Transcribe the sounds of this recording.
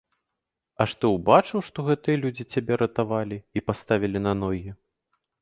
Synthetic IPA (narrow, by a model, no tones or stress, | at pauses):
ɐʂt̪ɔwbat͡ʂɨwʂt̪ɔɣɛt̪ɨjɐlʲud͡zʲit͡sʲabʲɛɾɐt̪avalʲiipast̪avʲilʲinɐnɔɣʲi